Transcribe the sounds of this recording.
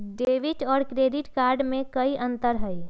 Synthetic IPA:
ɖeːʋiʈɔːɾkɾeːɖɪʈkaːɾɖmẽkəiʔə̃nt̪əɾɦɛi

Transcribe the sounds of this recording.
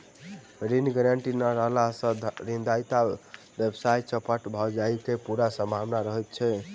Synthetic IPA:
ɾinɡəɾaɳʈinaɾəɦlasə̃ɾind̪ajt̪al | bebsajt͡ʃəpəʈbʱɔd͡ʒaikepuɾasəmabnaɾəɦɛt̪̚t͡ʃʰɛ

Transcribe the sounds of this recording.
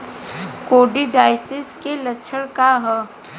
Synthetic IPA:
koːɖiɖaːɪsɪskelətːʃʰəɽkaɦɛ

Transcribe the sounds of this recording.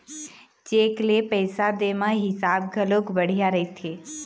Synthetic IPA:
t͡ʃeːklepəɪsad̪emãɦɪsaːbɡʱəlokbəɽ̤ijaɾəit̪ʰeː

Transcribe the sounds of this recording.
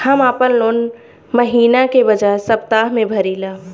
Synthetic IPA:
hɐmaːpənloːn | məɦiːnakebɐd͡ʒaesɐpt̪aːɦmẽbʱɐɾilaː

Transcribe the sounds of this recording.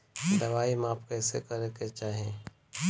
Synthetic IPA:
d̪ɐʋaːimaːpkɛːsḛkəɾeket͡ʃaːɦẽː

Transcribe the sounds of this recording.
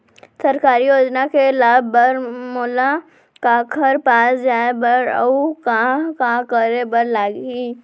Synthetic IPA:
sɐɾkaːɾijoːd͡ʒnakelaːbbəɾmoːla | kakʰəɾpaːsd͡ʒaːebəɾə̰ukakãkəɾebəɾlaːɡɦiː

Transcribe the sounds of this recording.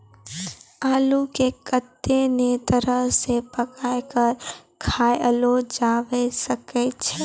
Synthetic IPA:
aːlukekət̪ːenet̪əɾəɦsepəkaːjkəɾ | kʰaːjəlod͡ʒaːʋesəkɛt͡ʃʰɛ

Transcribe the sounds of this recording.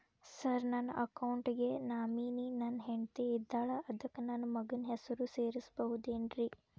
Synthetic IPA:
sɐɾnɐnːɐʔɐkɐwɳʈɡenaːmiːninɐnɦeɳt̪eid̪ːaːɭɐʔɐd̪ɐkːenaːnɐmɐɡɐnɦesɐɾuseːɾisbɐɦud̪eːnɾi

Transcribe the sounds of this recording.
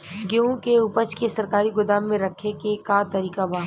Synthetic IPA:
ɡeũkeʊpət͡ʃkesɐɾkaːɾiɡʊd̪aːmːẽɾɐkʰːekekat̪ɐɾiːkabaː

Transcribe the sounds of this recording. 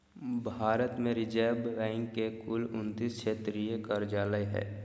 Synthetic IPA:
bʱaːɾət̪mẽɾɪd͡ʒɛːbːɛ̃ːŋkːekʊlʊnt̪ist͡ʃʰeːt̪ɾijekəɾd͡ʒaːləɦɛ̰ː

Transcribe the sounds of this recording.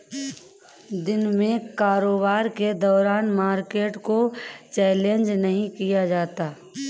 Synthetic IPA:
d̪ɪnmẽkaːɾoːbaːɾked̪ɔːɾaːnmaːɾkeːʈkot͡ʃɛːlẽnd͡ʒnɐɦĩkijad͡ʒaːt̪aː

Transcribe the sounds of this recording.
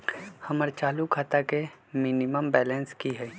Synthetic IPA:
hɐməɾt͡ʃaːlukʰaːt̪akemɪnɪməmbɛːlə̃nskiɦɛ

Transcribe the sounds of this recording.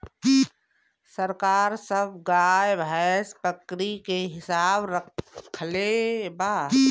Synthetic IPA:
səɾkaːɾsəbʱɡaːjbʱɛspəkɾikeɦɪsaːbɾəkʰlebaː

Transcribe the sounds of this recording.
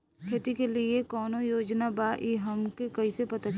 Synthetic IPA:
kʰeːt̪ikelɪekɔːnojoːd͡ʒnabaːʔiɦɐmkekɐisepɐt̪at͡ʃ

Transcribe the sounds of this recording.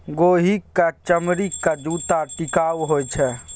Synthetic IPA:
ɡoɦikːat͡ʃəmɾikːad͡ʒut̪aʈikawɦojt͡ʃʰɛ

